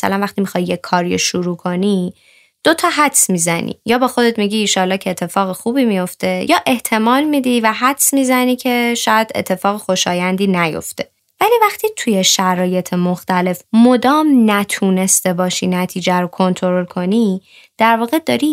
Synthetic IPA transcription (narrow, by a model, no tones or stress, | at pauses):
sæ̰lænvæxt̪imixɒijekʰːɒːɾio̰ʃuɾuːkʰo̞ni | d̪̥ot̪ʰɒːɦæd̪smizænḭjɒːbexo̞d̪et̪miɟiːʃɒːlːɒːhcʰeːt̪ʰːe̞fɒːɣexuːbiːmijo̞ft̪e̞jɒːʔe̞ht̪ʰe̞mɒːlmid̪ivæɦæd̪smiːzæniːcʰe̞ʃɒjæd̪e̞̰t̪ʰːe̞fɒːɣexo̞ʃɒːjænd̪iːnæjo̰ft̪e̞ | væliːvæχt̪ʰit̪ʰujeʃæɾɒːje̞t̪ʰemoxt̪æle̞fmo̞d̪ɒːmnæt̪ʰuːne̞st̪e̞bɒːʃḭnæt̪ʰiːd͡ʒæɾokʰo̞nt̪ʰo̞ɾolkʰo̞ni | d̪̥æɾvɒːɣed̪ɒːɾi